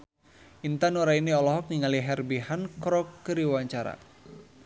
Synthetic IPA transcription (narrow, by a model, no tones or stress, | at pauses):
ʔint̪anɔɾainiɔlɔɦɔk̚niŋaliɦɛrbiɦankɾɔkːəɾiwaɲt͡ʃaɾa̰